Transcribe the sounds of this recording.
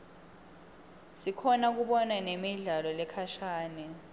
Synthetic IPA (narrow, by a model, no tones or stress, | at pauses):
sikʰɔnak̬uɓɔnanemiɮalɔlɛkʰaʃaːnɛ